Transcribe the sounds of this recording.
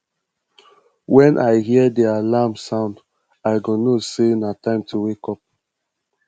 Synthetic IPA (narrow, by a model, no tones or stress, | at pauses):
wɛ̃nʔaɪɦiədialamsãʊ̃nd | aɪɡonosenatãɪ̃mtʰuwekɔp̚